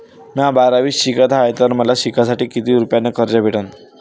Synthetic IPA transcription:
mjãbaɾaʋiːsɕikat̪ajt̪əɾməlaɕikasaʈiːkit̪iːɾupjanːekəɾd͡ʑabʱeʈan

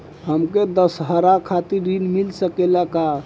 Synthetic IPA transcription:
ɦəmked̪əsɦəɾakʰat̪iɾinmilsəkelaka

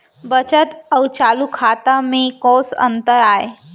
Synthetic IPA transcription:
bət͡ʃət̪əwt͡ʃalukʰat̪amẽkɔsə̰nt̪əɾaːe

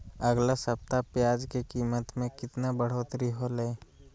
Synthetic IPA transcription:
əɡlasəp̚t̪apjaːd͡ʒkekiːmət̪mẽkɪt̪nabəɽ̤oːt̪ɾiɦoleː

